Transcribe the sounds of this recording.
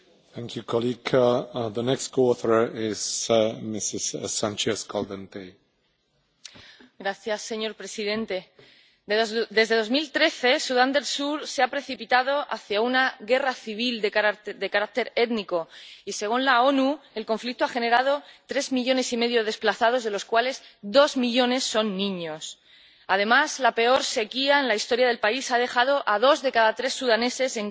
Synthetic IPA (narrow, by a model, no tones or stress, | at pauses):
θɛ̃ŋkʰjukʰɔliɡðənɛkstkʰoɔθə˞ɪz̥mɪsɪz̥sãnt͡ʃɛskʰɔlˠd̪ə̃nt̪ʰe | ɡɾaθjasːe̞ɲo̞ɾpɾe̞sið̞e̞nt̪e̞ | d̪e̞zðe̞ðo̞zmilt̪ɾe̞θe̞suðand̪e̞lsuɾseapɾe̞θipit̪að̞o̞ʔaθjaunaɣe̞raθiβ̞ild̪d̪e̞kaɾak̚t̪e̞ɾe̞t̪niko̞ise̞ɣ̞unlao̞nue̞lko̞ɱflik̚t̪oaxe̞ne̞ɾað̞o̞t̪ɾe̞zmiʎo̞ne̞sime̞ðjo̞ð̞e̞splaθað̞o̞zð̞e̞lo̞skwale̞zd̪o̞zmiʎo̞ne̞sːo̞nːĩɲo̞s | að̞e̞mazlape̞o̞ɾse̞kiaenlaist̪o̞ɾjað̞elpaisað̞e̞xað̞o̞ʔaðo̞zðekaðat̪ɾe̞sːuðane̞se̞se̞ŋ